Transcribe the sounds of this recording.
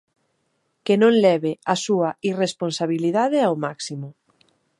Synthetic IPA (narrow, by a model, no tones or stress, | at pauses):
kenõŋlɛβeasuɐiresponsaβiliðaðeawmaksimʊ